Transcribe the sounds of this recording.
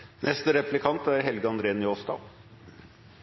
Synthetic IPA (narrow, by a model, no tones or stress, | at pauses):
nʔɛst̪əɾɛplɪkʰɑnt̪æɾɦɛlɡəɑnd̪ɾeːnjoːst̪ɑ̰